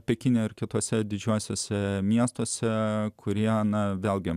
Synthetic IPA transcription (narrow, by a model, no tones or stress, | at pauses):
pʲɛkʲɪnʲoːɪɾkʲɪt̪oːsʲɛd̪ʲɪd͡ʒʲuːsʲoːsʲɛmʲiɛst̪oɔsʲɛkʰʊɾʲiɛnɐʋʲeːlˠʲɡʲɪ